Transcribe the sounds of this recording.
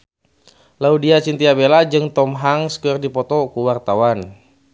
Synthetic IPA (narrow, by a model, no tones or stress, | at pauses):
laudiat͡ʃint̪iabelad͡ʒɨŋt̪ɔmɦaŋskərdipɔt̪ɔkuwart̪awan